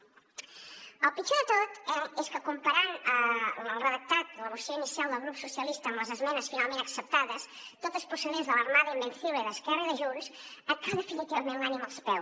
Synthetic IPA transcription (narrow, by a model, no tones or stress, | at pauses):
əlˠpit͡ʃuðət̪ot̪ɛɛskəkumpaɾanəəlˠrəðək̚t̪at̪̚ləβusoinisjalˠd̪əlˠɣɾupsusjɐlist̪əːmləzəzmɛnəsfinalmẽnt̪əksəp̚t̪aðəst̪ot̪əspusəðezðələɾmaðimbenθiβiðəskɛrəðəʒunsəkaðefinit̪iβmẽnlanimalˠspɛw